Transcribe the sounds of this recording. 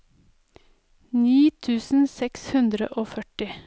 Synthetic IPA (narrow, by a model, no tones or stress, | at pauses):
niːt̪ʰʉːsn̩sɛkshʉnd̪ɾə̰ʔoːfœʈɪ